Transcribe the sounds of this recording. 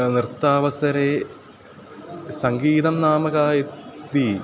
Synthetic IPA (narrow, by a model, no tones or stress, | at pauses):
nrɨt̪ːaːʋɐsɐɾe | sɐŋɡiːd̪ɐmnaːmɐɣaːjɐi